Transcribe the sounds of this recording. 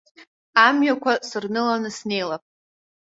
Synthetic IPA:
amɥakʷʰasɨrnɨlanɨsne̞jlapʼ

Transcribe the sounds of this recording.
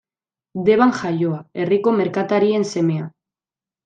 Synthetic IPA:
d̪e̞βaŋxajo̞ae̞riko̞me̞ɾkat̪aɾie̞nse̞me̞a

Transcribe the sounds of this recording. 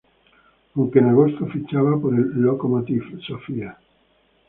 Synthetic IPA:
uŋkeneɣosofit͡ʃːavapoɾelːokomot̪ifsofia

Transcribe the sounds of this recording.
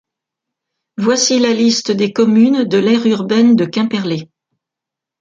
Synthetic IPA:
vwasilalist̪əd̪ekɔmynd̪əlɛʁyʁbɛnd̪əkʲɛ̃pɛʁle

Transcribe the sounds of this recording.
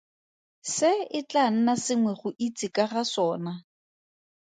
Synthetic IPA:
sɪɪt͡ɬʼan̩nasɪŋwɛχʊʔit͡sʼɪkʼaχasɔːna

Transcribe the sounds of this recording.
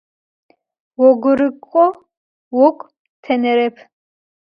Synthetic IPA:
wɔɡʷʊɾɨkʼɔ | wɔkʷʼ | tʰɐnɛɾɛpʰ

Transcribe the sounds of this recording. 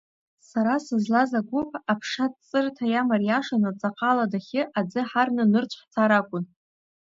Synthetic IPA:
saɾasɨzlazaɡʷʊpʼapʰʂadt͡sʼɨrtʰajamarjaʂanat͡sʼaqʼaladaχʲɪʔad͡zɨħarnɨnɨrt͡ɕʷʰħt͡sʰaɾakʷʼʊn

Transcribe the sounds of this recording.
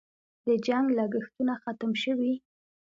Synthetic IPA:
d̪əd͡ʒaŋɡlaɡəxt̪unaxat̪əmʃəwi

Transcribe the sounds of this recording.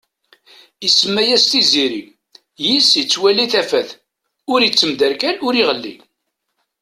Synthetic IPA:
isəmːæjæst̪iziɾi | jisit͡sːwæliθæfæθ | ʊɾjət͡sːəmd̪æɾkælʊɾiʁəlːḭ

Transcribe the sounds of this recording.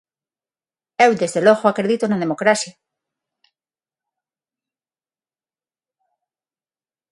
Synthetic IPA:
ewd̪ezðeloɣoakɾeðit̪onaðemokɾasja

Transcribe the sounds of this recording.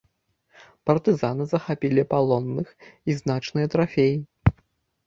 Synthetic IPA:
pɐrt̪ɨzanɨzɐxapʲilʲipalˠɔnːɨxiznat͡ʂnɨjɐt̪ɾafʲeji

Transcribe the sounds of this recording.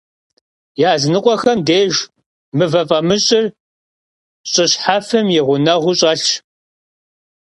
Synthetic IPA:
jaːznɨqʷʼɔxɐmdeːʒ | mɨvɐfʼɐmɨɕʼɪr | ɕʼɪɕħafɨmjɪʁʷʊnɐʁʷʊɕʼɐɬ

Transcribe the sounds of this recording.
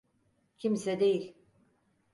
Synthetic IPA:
cʰimsɛd̪e̞jilʲ

